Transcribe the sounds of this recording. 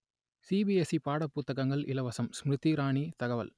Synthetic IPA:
sibiɛsipaːɽɐpːʊt̪ːɐɣɐŋɡɐɭʔɪ̰lɐʋɐsɐmsmɾɯt̪ːiɾaːɳit̪ɐɣɐʋɐ̰l

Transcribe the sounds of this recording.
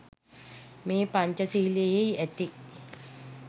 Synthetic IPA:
meːpaɲt͡ɕɐsiɦilejejæt̪i

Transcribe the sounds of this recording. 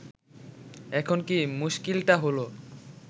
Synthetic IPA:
ɛkʰonkimuʃkilʈaɦolo

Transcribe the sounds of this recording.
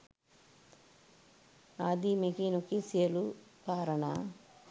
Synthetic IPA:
aːd̪imikinokisjelupaːɾɐɳa̰

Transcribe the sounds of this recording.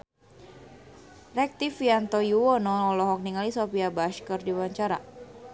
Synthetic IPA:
rɛk̚t̪ifiant̪ɔjuwɔnɔlɔɦɔk̚niŋalisɔpiabaʃkərdiwaɲt͡ʃaɾa̰

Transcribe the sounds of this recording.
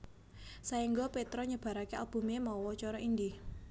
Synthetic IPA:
saiŋɡɔpet̪ɾɔɲəb̥ä̤ɾakealb̥ṳmemɔwɔt͡ʃɔɾɔʔind̪i

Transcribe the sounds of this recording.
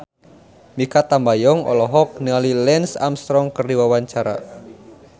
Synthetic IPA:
mikat̪ambajɔŋɔ̰lɔɦɔk̚nəŋalilɛnsa̰mst̪ɾɔŋkərdiwawaɲt͡ʃaɾa̰

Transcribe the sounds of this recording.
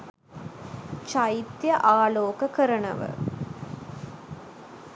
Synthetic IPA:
t͡ʃait̪jəʔaːloːkəkəɾənə̰ʋə̰

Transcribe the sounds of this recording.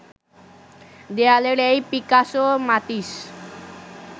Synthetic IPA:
d̪ealeɽejpikasomat̪iʃ

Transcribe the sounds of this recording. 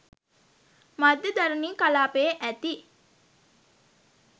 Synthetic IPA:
mɐd̪ːɐd̪ɐɾuniːkɐlaːpeːʔæt̪i

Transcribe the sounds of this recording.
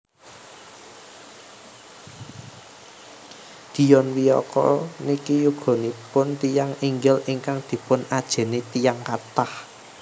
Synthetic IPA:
d̪̥i̤jɔnwijɔ̰kɔ̰nikijuɡ̥ɔ̤nipʊnt̪ijaŋiŋɡɪliŋkaŋd̪̥i̤pʊnad̥ʒ̥ɛ̤net̪ijaŋkat̪ah

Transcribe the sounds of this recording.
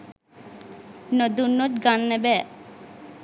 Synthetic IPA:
nod̪unːot̪ɡanːɛbɛ

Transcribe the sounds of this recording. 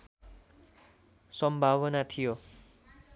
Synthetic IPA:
sʌmbʱaβʌnat̪ʰijo

